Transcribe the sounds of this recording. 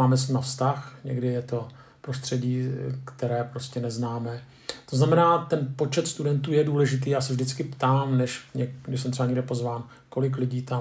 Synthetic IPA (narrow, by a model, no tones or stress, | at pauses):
aːmɛsɲɪmafst̪axɲɛ̰ɡdɪjɛt̪o̞ | pɾo̞st̪r̝̥ɛɟiːkt̪ɛɾɛːpɾo̞scɛnɛznaːmɛ | t̪o̞znamɛnaːt̪ɛnpo̞t͡ʃɛt̪st̪udɛnt̪uːjɛduːlɛʒɪt̪̬iːjaːsɛvʒdɪt͡skɪpt̪aːmnɛʃɲɛnɛs̬ɛmt̪rɛbaɲɛɡdɛpo̞zvaːn | ko̞lɪk̬lɪɟiːt̪a